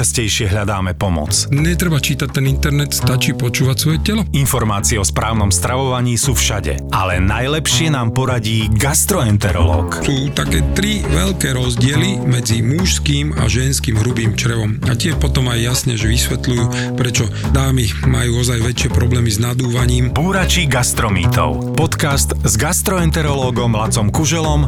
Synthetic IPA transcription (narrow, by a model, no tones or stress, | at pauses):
ascɛjʃɪɛɦʎad̪aːmɛpɔmɔ̰t͡sɲɛt̪ɾɛbat͡ʃiːt̪ac̚t̪ɛnint̪ɛɾnɛt̪st̪at͡ʃiːpɔt͡ʃuːʋacsʋɔjɛcɛlɔinfɔɾmaːt͡siɛɔspɾaːʊnɔmst̪ɾaʋɔʋaɲiːsuːfʃaɟɛ̰alɛnajlɛpʃɪɛnaːmpɔɾaɟiːɡast̪ɾɔɛnt̪ɛɾɔ̰lɔ̰ːksuːt̪akɛːt̪ɾiʋɛʎkɛːɾɔzɟɪɛlimɛd͡zimuʃskiːma̰ʒɛnskiːmɦɾubiːmt͡ʃɾɛʋɔmacɪɛʃpɔt̪ɔmajːasɲɛʒɛʋisʋɛt̪lujuː | pɾɛt͡ʃɔ | d̪aːmimajuːɔzajʋɛt͡ʃɪɛpɾɔblɛːmiznad̪uːʋaɲiːmpuːɾat͡ʃiɡast̪ɾɔmḭːt̪ɔ̰ʊpɔt̪kast̪zɡast̪ɾɔɛnt̪ɛɾɔlɔːɡɔmɦlat͡sɔmkuʒɛlɔm